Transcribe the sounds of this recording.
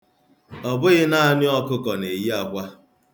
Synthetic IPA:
ɔ˨bʊ˦ɣɪ˦na˦ɲɪ˦ɔ˦kʊ˦kɔ˨ne˨ji˦a˦kʷa˦

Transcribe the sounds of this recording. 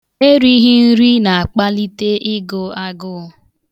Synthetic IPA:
e˦ɾi˦ɦi˦n̩˦ɾi˦na˨a˨k͡pa˦li˦te˦ʔɪ˦ɡo˦a˦ɡʊ˦˨

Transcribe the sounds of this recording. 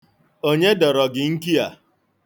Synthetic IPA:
o˦ɲe˦dɔ˨ɾɔ˨ɡɪ˨ŋ̩˦ki˦a˨

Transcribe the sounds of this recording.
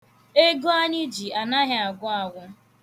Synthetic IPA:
e˦ɡo˦a˦ɲɪ˦d͡ʒi˨a˨na˦ɦɪ˦a˨ɡʷʊ˦a˨wʷʊ˦

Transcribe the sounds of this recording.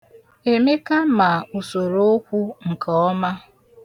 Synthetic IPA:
e˨me˦ka˦ma˨u˨so˨ɾo˦o˦kʷu˦ŋ̩˨kɔ˨˦ma˦

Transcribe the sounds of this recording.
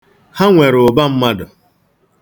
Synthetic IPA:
ha˦ŋʷe˨ɾʊ˨ba˦m̩˦ma˦dʊ˨

